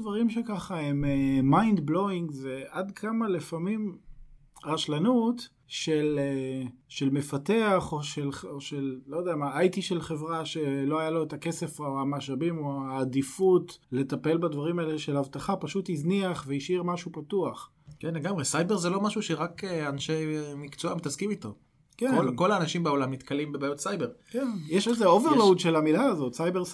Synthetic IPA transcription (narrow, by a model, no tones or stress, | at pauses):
dvaʁimʃekaχaememajnd̪blo̞iŋɡzveʔad̪kʰamalefamim | ʁaʃlanut̪ | ʃeleʃe̞lme̞fate̞aχo̞ʃeloʃelːojod̪ejamaajtiʃe̞lχe̞vʁaʃe̞lo̞ajalo̞etake̞se̞faamaʃabimoaːd̪ifutle̞tape̞lbadvaʁimaeleʃe̞lhavtaχapaʃutizniaχveiʃiʁmaʃupatuaχ | kenleɡamʁesajbe̞ʁzelo̞maʃuʃeʁakeanʃemikt͡soamit̪askimit̪o̞ | keoko̞laːnaʃimbeo̞lamːit̪kalimbebajot̪sajbeʁkennjeʃelzeo̞veʁloud̪ʃe̞lamilaːzo̞tsajbeʁs